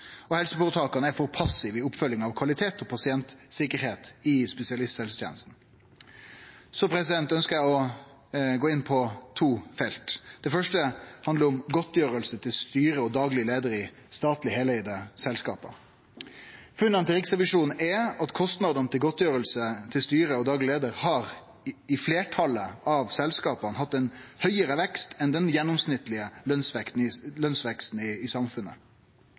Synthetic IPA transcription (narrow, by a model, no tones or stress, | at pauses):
ɔhɛlsəfɔʋət̪ʰɑːkɑnəæɾfɔɾpʰɑsɪʋɪʊpːfœljɪŋɑʋkʰʋɑlɪt̪ʰeːt̪ʰɔpʰɑsɪɛnt̪sɪkəɾheːt̪ɪspɛsɪɑlɪst̪shɛlsə̥t̪jḛːnəst̪n̩ | sɔpʰɾɛsɪd̪ɛnt̪œnskəɾjæɪɔ | ɡoːɪnpʰɔt̪ʰuːfɛlt̪d̪̥ɛfœʂʈəhɑnd̪əɾʊmɡɔt̪jøːɾəlsət̪ʰɪlst̪yːɾəɔd̪ɑːɡlɪəleːd̪əɾɪ | st̪ɑːt̪lɪhɛːlɛɪd̪əsɛlskɑ̰ːpɑ̰ | fʉnːɑnt̪ɪɾɪksʁɛʋɪʂuːn̩ɛɑt̪kʰɔst̪nɑd̪ənət̪ʰɪlɡɔt̪jøːɾəlsət̪ʰɪlst̪yːɾəɔd̪ɑːɡlɪleːd̪əɾhɑʁ | ɪfleːʈʰɑləɑʋsɛlskɑːpɑnhɑt̪ːɛnhœʏəɾəʋɛkst̪ʰɛnd̪ɛnjɛnːʊmsnɪt̪ːlɪəlœnsʋɛkt̪n̩ɪlœnsʋɛkst̪n̩ɪːsɑmfʉnːə̰